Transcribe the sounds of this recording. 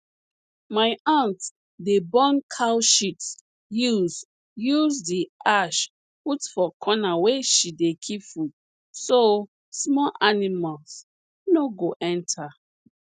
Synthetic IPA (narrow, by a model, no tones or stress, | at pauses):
maɪãnt | debɔ̃nkʰawʃits | juz | juzdiʔaʃ | utfɔkʰɔnaweʃidekʰipfud̚ | so | smɔʔanimals | noɡoʔɛ̃ntʰa